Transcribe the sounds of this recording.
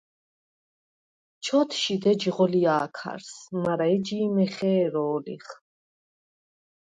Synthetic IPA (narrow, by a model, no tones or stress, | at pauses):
t͡ʃʰɔt̪ʰʃid̪ɛd͡ʒʁɔliaːkʰa̰ɾsmaɾaɛd͡ʒiːmɛχɛːɾɔːlḭχ